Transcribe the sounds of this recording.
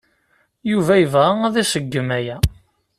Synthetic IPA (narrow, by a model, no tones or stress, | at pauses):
juvæjəvʁææðæʃəɡːəmæjæ